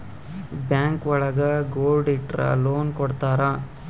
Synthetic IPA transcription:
bjaːŋkʋɔɭɐɡɐɡoːlɖiʈɾɐ̰loːnkɔɽt̪aːɾɐ

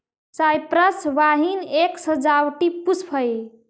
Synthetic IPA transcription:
sajpɾəsʋaɦineksəd͡ʒawʈipuspʰəj

